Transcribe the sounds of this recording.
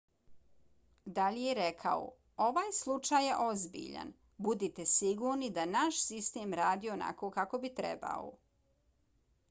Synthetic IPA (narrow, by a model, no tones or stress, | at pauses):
d̪aʎijeɾekʰa̰o̰ | o̞ʋaːjslˠut͡ʂaːjeʔo̞zbḭʎa̰n | bud̪it̪esiɡuːɾnid̪anaʃsist̪eːmɾaːd̪iːona̰koːkako̞bit̪ɾɛ̰ba̰o̰